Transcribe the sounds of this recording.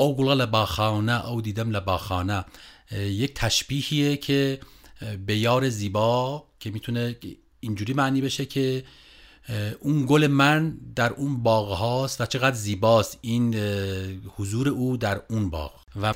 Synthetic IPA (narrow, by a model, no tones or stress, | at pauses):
owɡolɣælæbɑːxɑːnæʔowd̪iːd̪æmlæbɒːxɑːnæ | ject̪ʰæʃbiːhiːecʰe | bejɑːɾeziːbɒːcʰemiːt̪ʰune | ind͡ʒuːɾiːmæːniːbe̞ʃekʰe | ʔunɡole̞mænd̪æɾʔunbɒːɣhɑːst̪væt͡ʃʰe̞ɣæd̪ɾziːbɒːst̪iːn | hozuːɾeʔuːd̪æɾunbɒ̰ːɣ̥ | væ